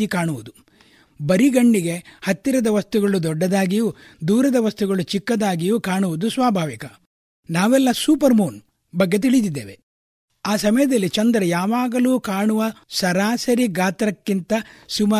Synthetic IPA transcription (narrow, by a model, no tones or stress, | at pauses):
ikaːɳuʋud̪u | bɐɾiɡɐɳːiɡe̞hɐt̪ːiɾɐd̪ɐʋɐst̪uɡɐɭud̪ɔɖːɐd̪aːɡijud̪uːɾɐd̪ɐʋɐst̪uɡɐɭut͡ʃikːɐd̪aːɡijukaːɳuʋud̪usʋaːbʱaːʋikɐ | naːʋɛlːɐsuːpɐɾmoːn | bɐɡːe̞t̪̬iɭid̪id̪ːḛːʋe̞ | aːsɐmɐjɐd̪ɐlːit͡ʃɐnd̪ɾɐjaːʋaːɡɐluːkaːɳuʋɐsɐɾaːsɐɾiɡaːt̪ɾɐkːint̪ɐsuma